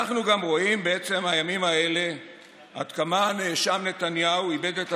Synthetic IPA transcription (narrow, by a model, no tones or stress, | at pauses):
aχnuɡamʁo̞imbeet͡se̞mhajamimaele̞ | a̰d̪kamaneeʃamne̞t̪anjauibe̞d̪et̪